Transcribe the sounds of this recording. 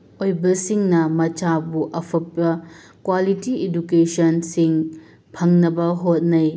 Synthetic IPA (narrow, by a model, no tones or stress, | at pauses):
ojbɐsiŋnɐmɐt͡ʃabuʔɐpʰɐt̚ːɐ | kwalitiedukesɐnsiŋ | pʰɐŋnɐbɐɦot̚nɐj